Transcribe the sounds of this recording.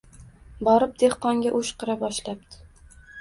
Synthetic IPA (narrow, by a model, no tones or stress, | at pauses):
bɒɾɪp̚d̪e̞hqɒŋɡʲaʔʊʃqɨɾabɒʃlapd̪̥ʰɪ̥